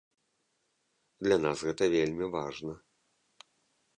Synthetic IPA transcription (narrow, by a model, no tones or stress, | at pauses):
d̪lʲanasɣɛt̪ɐvʲelʲmʲivaʐnɐ